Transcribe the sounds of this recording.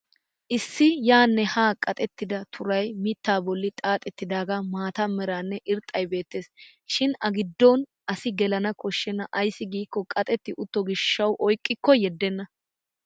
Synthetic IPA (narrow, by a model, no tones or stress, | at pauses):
ʔɪsːɪjaːnːɛhaːkʼɐt̪ʼɛt̪ːɪd̪ɐt̪ʰʊɾɐjmit̪ːaːbɔlːɪt̪ʼaːt̪ʼɛt̪ːɪd̪aːɡamaːt̪ɐmɛɾaːnːɛʔɪɾt̪ʼːɐjbe̞ːt̪ːe̞ːs | ʃɪnɐɡɪd̪ːoːn | ɐsɪɡɛlɐnɐkɔʃːɛnːɐʔɐjsːɪɡiːkːɔkʼɐt̪ʼɛt̪ːɪʔʊt̪ːɔɡɪʃːɐwʔɔjkʼːɪkːɔjɛd̪ːɛnːɐ